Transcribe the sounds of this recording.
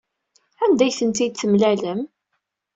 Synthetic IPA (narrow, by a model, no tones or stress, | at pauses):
ænd̪æjθənt̪id̪̚t͡sːəmlæləm